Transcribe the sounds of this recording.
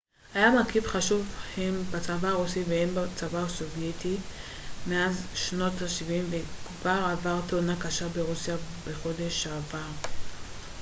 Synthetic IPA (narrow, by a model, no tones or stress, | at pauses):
ajamakivχaʃuvhembat͡savaːʁusivehenbat͡savaso̞vjeti | meazʃno̞taʃivimvekvaavaʁt̪onakaʃabeʁusijabeχo̞d̪e̞ʃaːvaʁ